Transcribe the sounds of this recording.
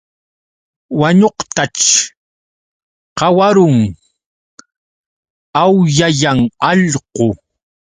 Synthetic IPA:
waɲoqt̪at͡ʃ | qɑwaɾʊŋ | awjajaŋɑʎqo

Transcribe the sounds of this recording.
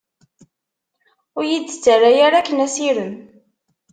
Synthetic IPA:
ʊɾjidːə̥t͡sːərːajaɾakːənæsiɾən

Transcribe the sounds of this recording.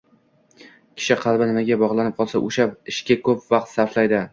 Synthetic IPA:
kʲʰɪ̥ʃɪqʰɑlˠbɪnɪmaɡʲabɒʁlˠanɪp̚qʰɒlˠsa̰ʔoʃaɪʃkʲakʰɵpvɑq̚t̪saɾflajd̪ɪ

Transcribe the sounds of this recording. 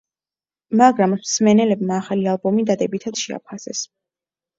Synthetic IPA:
maɡɾamsmɛnɛlɛbmaːχalialˠbɔmid̪ad̪ɛbit̪ʰad̪ʃɛa̰pʰasɛs

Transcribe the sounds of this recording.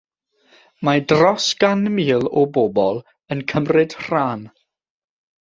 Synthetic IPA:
madrɔsɡ̥anmiːlˠɔbɔbɔlˠ | ənkʰəmrɪd̥r̥aːn

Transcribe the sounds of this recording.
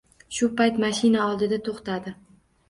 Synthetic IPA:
ʃʊpajt̪maʃɪnaɒlˠd̪ɪd̪at̪ʰoχt̪ad̪ɪ

